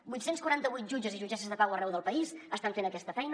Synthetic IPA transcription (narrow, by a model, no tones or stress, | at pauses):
bujt̪senskwəɾant̪əβujt̪ʒud͡ʒəziʒud͡ʒɛsəzðəpawərɛwðəlˠpəisəst̪aɱfenəkɛst̪əfɛjn